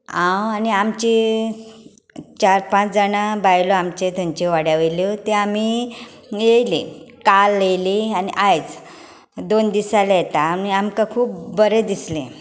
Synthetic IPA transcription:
ãwaniamt͡ɕi | t͡ɕaɾpãt͡sd͡zənabajloamt͡ɕet̪ẽɲt͡ɕeʋaɽjaʋejlot̪eam̤i | jejlḭkalːejlianiʔajt͡s | d̪ond̪isaljet̪aniamkakʰuːp̚bəɾed̪islẽ

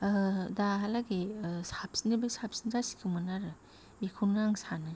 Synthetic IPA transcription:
daɦalaɡisapsinɯbesap̚sinzasi̥kʰɯmɯnaɾɯ | mikʰunɡɾaŋsanɯ

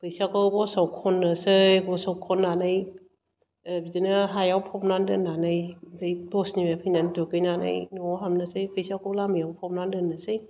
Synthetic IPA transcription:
pʰɯjsakɯwbɔsawkʰɔnːɯsɯjɡɔsawkʰɔnːanaj | bizinɯɦajawpʰɔp̚nandɯnːanajdɯjdɔsnimepʰɯjnandukɯjnana̰jnuɦamnasɯjpʰɯjsakɯwlamijawpʰɔp̚nandɯnːɯsɯj

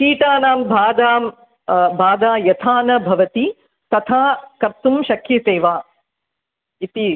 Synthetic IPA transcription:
kiːʈaːnaːmbʱaːd̪aː | bʱaːd̪aːjɐt̪ʰaːnɐbʱɐʋɐt̪i | t̪ɐt̪ʰaːkɐɾt̪umʃɐkʰːjɐseːʋaː | it̪i

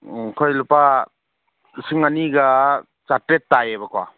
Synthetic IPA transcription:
kʰɔjlupa | siŋaniɡa | t͡ʃatɾetːajebakʰwa̰

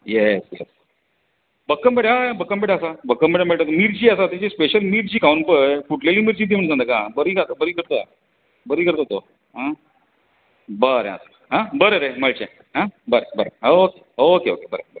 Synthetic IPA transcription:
jɛsjɛ̰s | bəkːəmbeɽaabəkːəmbeɽaəsabəkːəmbeɽameɭʈat̪miːɾt͡ɕiːəsat̪ĩt͡ɕespeɕəlmiːɾt͡ɕiːkʰaunpəfuʈleliːmiːɾt͡ɕit̪̬im̤əɳd͡zãnd̪əkãbəɾiːkat̪əbəɾiːkəɾt̪oja̰ | bəɾiːkəɾt̪ot̪o | ɦã | bəɾḛ̃a̰sa | ɦãbəɾəɾeməɭt͡ɕɛ̰̃ | ɦãbəɾebəɾəokeokeo̰kebəɾə̰bəɾ

